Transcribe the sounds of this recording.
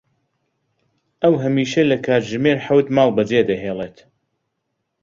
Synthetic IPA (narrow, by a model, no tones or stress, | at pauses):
ʔɐwɦɐmiːʃɐlɐkʰaːɾʒɨmeɾħawt̪maːlˠbɐd͡zed̪ɐɦeːlˠeːt̪